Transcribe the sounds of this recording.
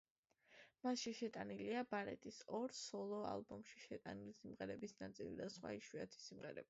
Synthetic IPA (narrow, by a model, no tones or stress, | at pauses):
masʃiʃɛt̪ʼaniliabaɾɛ̰t̪ʼisɔɾsɔlˠɔa̰lˠbɔmʃi̥ʃɛt̪ʼanilisimʁɛɾɛbisnat̪sʼḭlḭd̪asχwa̰iʃwiat̪ʰi̥sːimʁɛɾɛ̰bi